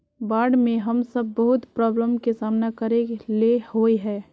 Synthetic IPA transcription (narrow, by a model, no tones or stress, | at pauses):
baːɾɖmẽɦɐmsəb̚ːəɦʊt̪pɾɔːbləmkesaːmnakəɾelehoeɦɛː